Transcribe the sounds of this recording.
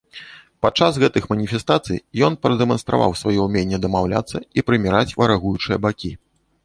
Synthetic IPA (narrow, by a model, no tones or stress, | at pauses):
pat͡ʂːasɣɛt̪ɨxmɐnʲifʲɛst̪at̪sɨjjɔnpɾɐd̪ɛmɐnst̪ɾa̰va̰wsvajɔumʲenʲːɛd̪ɐmawlʲa̰t̪sːɐipɾɨmʲiɾat͡sʲvɐɾaɣujut͡ʂɨjɐbakʲi